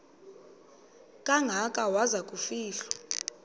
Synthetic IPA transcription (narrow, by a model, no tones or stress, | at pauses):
kʼaŋɡʱakʼawazakʼufiːɬḁ